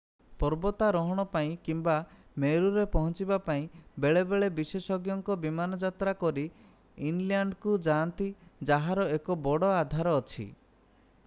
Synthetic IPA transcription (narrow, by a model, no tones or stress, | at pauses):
pɔɾbɔt̪aɾɔɦɔɽ̃ɔpaĩkimbameɾuɾepɔɦɔnt͡ʃibapaĩbeɭebeɭebisesɔɡjɔŋkɔbimanɔd͡ʒat̪ɾakɔɾi | inlijaɳɖkud͡ʒant̪id͡ʒaɦaɾɔekɔbɔɽɔad̪ʱaɾɔːt͡ʃʰḭ